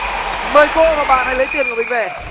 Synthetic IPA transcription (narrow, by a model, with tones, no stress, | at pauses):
məː˨˩jko˧vaː˨˩ɓaː˨˩na˨˧˩jlə˨˦jt̪i˨˩ənkːɓï˨˩ŋ̟veː˨˩